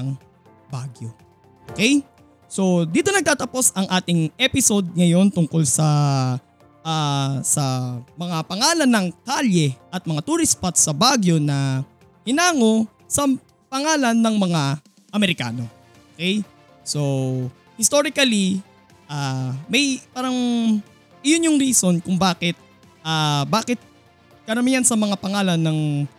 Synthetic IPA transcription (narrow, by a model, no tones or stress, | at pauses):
ɐŋ | baɡjo̞ | ʔʔokɛj | so̞d̪iːt̪o̞nɐɡ̚t̪aːt̪ɐpo̞sɐŋʔaːt̪ɪŋʔɛpɪso̞d̪̚ŋɐjo̞nt̪ʊŋko̞lsɐ | ʔasɐmɐŋapɐŋaːlɐnːɐŋt̪aljɛʔɐt̪̚mɐŋat̪uːɾɪspɐt̪sɐbaɡjo̞nɐ | hɪnaːŋo̞ | sɐ | pɐŋaːlɐnːɐŋmɐŋa | ʔɐmɛɾɪka̰ːno̞ | ʔokɛj | so̞ | hɪst̪oːɾɪkɐli | ʔaːmɐjpaːɾɐŋ | ʔɪjonjʊŋɾiːso̞nkʊŋbaːkɪt̪̚ | ʔaːbaːkɪt̪̚ | kɐɾɐmijɐnsɐmɐŋapɐŋaːlɐnːɐŋ